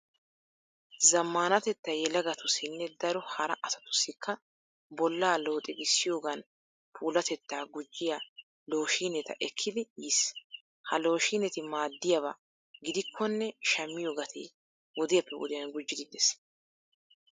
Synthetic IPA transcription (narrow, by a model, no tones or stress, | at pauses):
zɐmːaːnɐt̪ɛt̪ːɐjɛlɐɡɐt̪ʰʊsɪnːɛd̪ɐɾɔhɐɾɐʔɐsɐ̥t̪ʊ̥sːɪkʰːɐ | bɔlːaːlo̞ːt̪ʼɪɡɪsːɪjo̞ːɡɐn | pʰuːlɐt̪ɛt̪ːaːɡʊd͡ʒːɪja | lo̞ːʃiːnɛt̪ɐ̰ʔɛkʰːɪd̪ɪjiːs | hɐlo̞ːʃiːnɛt̪ɪmaːd̪ːɪjɐba̰ | ɡɪd̪ɪkʰːɔnːɛʃɐmːɪjo̞ːɡɐt̪ʰḛː | wɔd̪ɪjɐpːɛwɔ̰d̪ɪjɐnɡʊd͡ʒːɪd̪ɪd̪ɛs